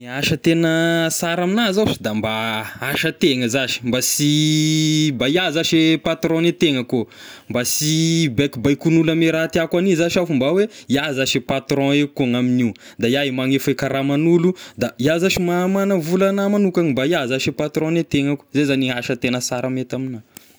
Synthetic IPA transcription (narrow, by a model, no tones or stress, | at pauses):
niaʃət̪enəsaɾaminazaʃi̥d̪ambaaʃət̪eŋəzaʃi̥mbasi | mbaiazaʃepat̪ɾɔ̃net̪eŋəko | mbasibɛkbajkunulameɾat̪iakwanizaʃafumbaweiazaʃepat̪ɾɔ̃ekuŋamini | d̪ajaimaŋefekaɾamanulud̪aiazaʃimamanəvulanamanukaŋimbaiazaʃepat̪ɾɔ̃net̪eŋaku̥zezaniaʃət̪enəsaɾamet̪amina